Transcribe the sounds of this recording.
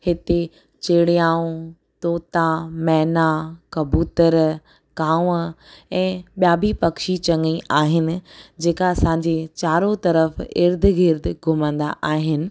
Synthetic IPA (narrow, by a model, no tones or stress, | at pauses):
hɪt̪e | t͡ɕeːɽijaːũ | t̪oːt̪amɛɦnakɐbuːt̪əɾ | kãːʋɛ̃ːɓjaːbʱipɐkʃit͡ɕɐ̃ŋɡiʔaːɦɪnɪ̆d͡ʑeːkaɐsãːɲd͡ʑet͡ɕaːɾot̪ɐɾəfɪɾd̪ʱɡʱɪɾd̪ʱɡʱʊmə̃nd̪a̰ʔaːɦɪnɪ̆